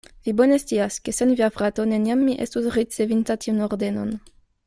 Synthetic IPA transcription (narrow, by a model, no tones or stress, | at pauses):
vibonest̪iaskesenviafʁat̪oneniamːiʔḛst̪usʁit͡sevint̪at̪ʰiunoʁd̪eno̰n